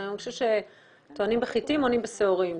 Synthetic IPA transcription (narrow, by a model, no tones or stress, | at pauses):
noʃuʃe | t̪oanimbeχitimonimbeseoʁim